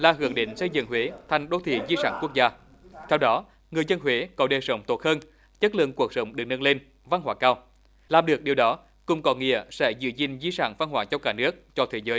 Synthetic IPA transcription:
laː˨˩ɦɨ˧˩əŋɗḭ˧˨ŋ̟sə˧jzɨ̰˧˨ŋɦwe˨˦t̪ʰa˨˩jŋ̟ɗo˨˧˦t̪ʰḭ˧˩zi˧saː˧˩nku˦˥ək̚zaː˧ | t̪ʰɛ˧wɗɔ˨˦ | ŋɨ˨˩əjzə˧nɦwe˨˦kɔ˨˦ɗe˨˩sə˨˦wŋ͡mt̪o˦˥t̚həː˧n | t͡ɕə˦˥t̚lɨ̰˧˨əŋku˨˩ək̚sə˨˦wŋ͡mɗɨ˨˩ək̚nə˧nle˧n | va˧nhwaː˧˩kaː˧w | laː˨˩mɗɨ˨˩ək̚ɗi˨˩əwɗɔ˨˦ | kʊ̰˨˧˩ŋ͡mkɔ˨˦nŋḭ˧˨əsɛ̰˧˥zɨ̰˧˩zï˨˩ŋ̟zi˧sa̰ː˧˩nfa˧nɦwaː˧˦t͡ɕɔ˧wkaː˧˩nɨ˦˥ək̚t͡ɕɔ˧t̪ʰe˨˦zəː˨˦j

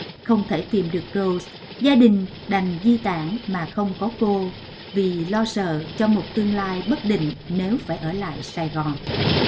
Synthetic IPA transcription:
xə˧wŋ͡mt̪ʰe˧˩t̪i˨˩mɗɨ˨˩ək̚kə˧˩ws | zaː˧ɗï˨˩ŋ̟ | ɗa˨˩jŋ̟zi˧t̪aː˧˩ŋmaː˨˩xə˧wŋ͡mkɔ˨˦ko˧ | vi˨˩lɔ˧sə̰ː˧˨t͡ɕɔ˧mo˨˩t̚t̪ɨ˧əŋlaː˧jɓə˦˥t̚ɗḭ̈˧˨ŋ̟ne˨˦wfaː˧˩jʔəː˧˩la̰ː˧˨jsaː˨˩jɣɔ˨˩n

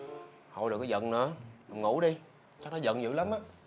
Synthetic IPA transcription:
ho̰˨˧˨jɨ˨˩kaː˨˧˦zə̰˧˨nnɨ̰˧˥ə˨˩ŋṵ˧˥ɗi˧ | t͡ɕa˦˥knɔ˨˦zə̰˧˨nzɨ̰˧˥la˨˦mʔaː˧˦

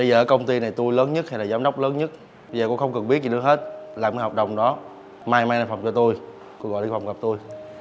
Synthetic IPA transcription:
ɓə˧jzəː˨˩əː˨˦kə˧wŋ͡mt̪i˧na˨˩jt̪u˧jləː˨˦nɲə˦˥ha˧jlaː˨˩zaː˨˦mɗə˦˥wk͡p̚ləː˨˦nɲə˦˥t̚ | əjzəː˨˩ko̰˧˥xə˧wŋ͡mkɨ˨˩ŋɓi˦˥əzi˨˩ɗɨ˨˧˦ɦe˦˥t̚laː˨˩mka˨˦hɔː˨˩k͡p̚ɗə˨˩wŋ͡mɗɔ˨˦ | maː˧jmaː˧na˧˩fə˨˩ŋ͡mt͡ɕɔ˧t̪u˧j | ko̰˧˥ɣɔ̰˧˨ʔa˧˩fa˨˩wŋ͡mɣə˨˩p̚t̪u˧j

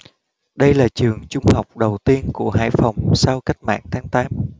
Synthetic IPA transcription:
ɗə˧jlaː˨˩t͡ɕɨ˨˩əŋt͡ɕʊ˧ŋ͡mha˨˩wk͡p̚ɗə˨˩wt̪i˧ənku˧˩əɦa̰ː˧˥jfa˨˩wŋ͡msaː˧wka˦˥jk̟̚ma̰ː˧˨ŋt̪ʰaː˨˦ŋt̪aː˨˦m

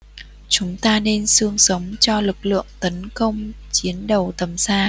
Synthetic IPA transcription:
t͡ɕʊ˨˦ŋ͡mt̪aː˧ne˧nsɨ˧əŋsə˨˦wŋ͡mt͡ɕɔ˧lɨ˨˩k̚lɨ̰˧˨əŋt̪ə˨˦nkə˧wŋ͡m | t͡ɕi˨˦ənɗə˨˩wt̪ə˨˩msaː˧

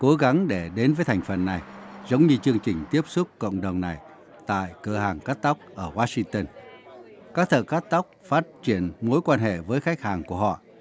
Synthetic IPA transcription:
ko˨˦ɣa˨˦ŋɗe˧˩ɗe˨˦nvəː˨˦jt̪ʰa˨˩jŋ̟fə˨˩nːa˨˩jzə˨˦wŋ͡mɲɨ˧t͡ɕɨ˧əŋt͡ɕï˨˩ŋ̟t̪i˦˥əp̚sʊ˦˥t̚kə̰˧˨wŋ͡mɗə˨˩wŋ͡mna˨˩j | t̪a̰ː˧˨jkɨ˧˩haː˨˩ŋka˦˥t̚t̪a˦˥wk͡p̚ʔəː˧˩waː˧˥sï˧ŋt̪ə˧n | kaː˦˥k̚t̪ʰə̰ː˧˨ka˦˥t̚t̪a˦˥wk͡p̚faː˦˥t̚t͡ɕi˧˩ənmo˨˦jkwaː˧nɦḛ˧˨vəː˨˦jxa˦˥k̟̚haː˨˩ŋku˧˩əɦɔ̰˧˨

